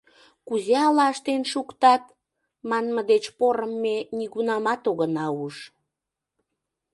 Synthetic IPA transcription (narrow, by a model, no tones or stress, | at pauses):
kuzeɑlɑəʃt̪enʃukt̪ɑt̪̚ | mɑnməd̪et͡ɕpoɾəmːeniɣunɑmɑt̪oɣənɑuʃ